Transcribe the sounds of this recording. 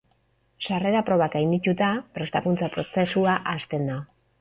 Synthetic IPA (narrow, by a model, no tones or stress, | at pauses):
sare̞ɾapɾo̞βaɡajnd̪it̪ut̪apɾe̞st̪akunt͡sapɾo̞se̞suaʔast̪e̞nd̪a